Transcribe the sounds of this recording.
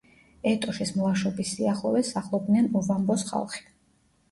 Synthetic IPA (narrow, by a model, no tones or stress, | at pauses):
ɛt̪ʼɔʃismlˠaʃɔbisiaχlˠɔ̰vɛsaχlˠɔbnɛnuvambɔsχa̰lˠχi̥